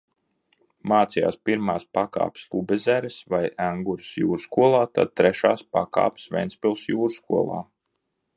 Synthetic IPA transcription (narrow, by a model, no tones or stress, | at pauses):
maːt̪sija̰ːspiɾmaːspaka̰ːpslˠubɛzæɾɛsvajæŋɡuɾsjṵːɾskuɔlˠaːt̪a̰d̪̚t̪ɾɛʃaːspa̰ka̰ːpsvʲɛ̰jnspilˠsjuːɾskuɔlˠa̰ː